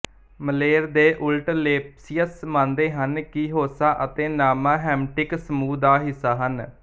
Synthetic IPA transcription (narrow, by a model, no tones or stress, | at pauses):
məleːɾd̪eːʔʊlʈleːpsiəsmãːnd̪eːɦənkiɦoːsaːʔət̪eːnaːmaːɦɛːmʈɪksəmuːd̪aːɦɪsːaːɦən